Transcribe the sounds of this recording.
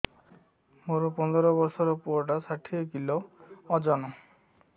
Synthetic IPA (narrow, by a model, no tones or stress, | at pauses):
moɾɔpɔnd̪ɔɾɔbɔɾsɔɾopuʈasaʈʰiekiloɔd͡ʒɔnɔ